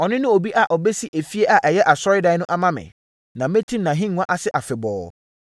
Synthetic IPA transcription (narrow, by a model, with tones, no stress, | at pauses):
ɔ˨nɪ̃˦nʊ̃˦o˨bi˦ʔa˨ʔɔ˨bɛ˦si˦ʔe˨fi˦e˦ʔa˨ʔɛ˨jɛ˦ʔa˨sɔ˦ɾɪ˦da˦nʊ̃˦ʔa˦mã˦mɪ̰̃˨ | nã˨mẽ˦tʰĩ˦˨nã˨ɦĩ˦ŋʷ˦ã˦ʔa˨sɪ˦ʔa˨fɪ˨bɔ̰ː˨